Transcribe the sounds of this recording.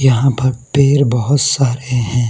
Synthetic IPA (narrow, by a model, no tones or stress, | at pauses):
jɐɦãpɐɾpeːɾbɐɦʊt̪saːɾeɦɛ̃ː